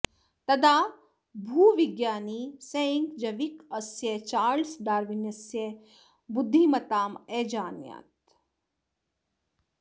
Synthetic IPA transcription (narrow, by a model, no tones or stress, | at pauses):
t̪ɐd̪aː | bʱuːʋiɡjaːniːsɐiŋkd͡ʒɐʋikɐsjet͡ʃaːɾlsɖaːɾʋinjɐsje | bud̪ʱːimɐt̪aːmeːd͡ʒaːnja̰ːt̪